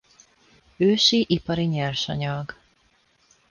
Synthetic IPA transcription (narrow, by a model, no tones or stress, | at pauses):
øːʃiʔipɒɾiɲɛrʃɒ̰ɲɒɡ